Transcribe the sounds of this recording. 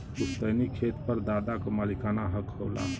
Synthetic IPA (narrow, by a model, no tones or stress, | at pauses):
ust̪ənikʰet̪ɾpəɾd̪aːd̪akomalikanaɦəkɦoːla̰